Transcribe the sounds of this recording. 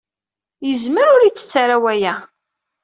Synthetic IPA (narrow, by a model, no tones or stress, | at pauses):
jəzməɾʊɾit͡sːə̥t͡sːaɾawæjæ